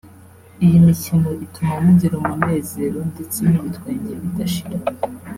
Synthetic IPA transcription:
ijimicino̞ʔitʰumamuɟiɾomumnne̞ːze̞ɾo̞ndet͡seniβitweːɲɟeɾeβitaʃiɾa

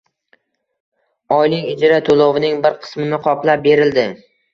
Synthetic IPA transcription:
ɒjnɪŋʲɪd͡ʒɾat̪ʰolˠɒvɪnɪŋbɪɾqʰɨ̥smɪnɪqʰɒplap̚be̞ɾɪld̪ɪ

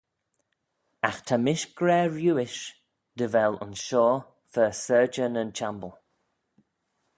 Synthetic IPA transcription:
a̰xt̪ʰamɪʃɡ̥ɹɛːɹjuːɪʃ | d̪̥əvɛlʊ̰̃nʃɔː | fəsɜːd͡ʒənənt͡ʃʰambəlˠ

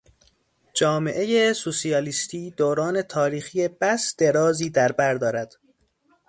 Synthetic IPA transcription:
d͡ʒɒːme̞̰ʔe̞jesusijɒːliːst̪ʰiːd̪oːɾɒːne̞t̪ʰɒːɾiːxijeb̥æsd̪̥e̞ɾɒːziːd̪æɾbæɾd̪ɒːɾæd̪̥

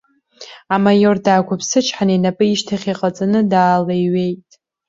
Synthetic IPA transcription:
amajo̞rdaːkʷʰapʰsɨt͡ʃʰħanenapʼɨiʃtʰaχʲiqʼat͡sʼanɨdaːlejɥe̞jtʼ

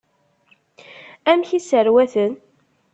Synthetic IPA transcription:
æmçisəɾwæθən

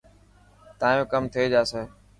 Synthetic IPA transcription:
t̪ãːjõːkəmt̪ʰieːd͡ʒaːseː

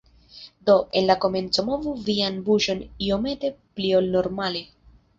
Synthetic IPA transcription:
d̪o̞ʔe̞nlako̞me̞nt͡so̞mo̞vuvianbuʃo̞nio̞me̞te̞plio̞lno̞ɾmale

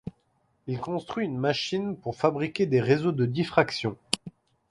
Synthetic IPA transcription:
ilkɔ̃st̪χɥiynmaʃinpuʁfabʁikʲed̪eʁezod̪əd̪ifχaksjɔ̃

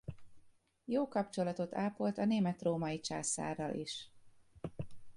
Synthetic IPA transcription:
joːkɒpt͡ʃo̞lɒt̪o̞t̪ʰaːpolt̪ɒneːmɛt̪roːmɒit͡ʃa̰ːsa̰ːrːɒlʔḭʃ

